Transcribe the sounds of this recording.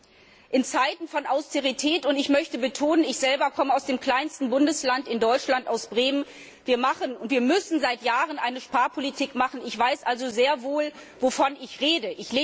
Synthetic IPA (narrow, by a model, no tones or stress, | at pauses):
ʔɪnt͡saɪtn̩fɔnʔaʊstʰeʁitʰɛːtʊntɪçmœçtəbətʰoːnənɪçz̥ɛlbɐkʰɔməaʊsd̥eːmkl̥aɪnstn̩bʊndəslantɪndɔʏt͡ʃlantaʊsb̥ʁeːmən | viːɐmaχənʊntv̥iːɐmʏsn̩zaɪtjaːʁənʔaɪnəʃpaːɐpʰolitʰiːkmaχn̩ɪçv̥aɪsʔalzozeːɐvoːlvofɔnɪçʁeːdəʔɪçleː